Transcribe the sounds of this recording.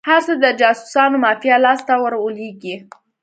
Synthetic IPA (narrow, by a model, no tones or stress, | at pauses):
haɾsəd̪əd͡ʒɑsu̥sɑnomɑfjalɑst̪awəɾwəleɡi